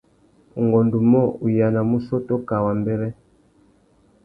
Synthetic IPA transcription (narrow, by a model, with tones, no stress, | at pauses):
u˨ŋɡɔ˨ndu˨mɔ˦u˨ja˨na˨mu˦sɔ˦tɔ˦ka˨wa˨mbɛ˦ɾɛ˦